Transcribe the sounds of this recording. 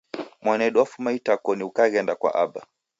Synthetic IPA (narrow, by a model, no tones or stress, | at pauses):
mwanɛɗwafumaitakɔniukaɣɛndakwa̰ʔaɓa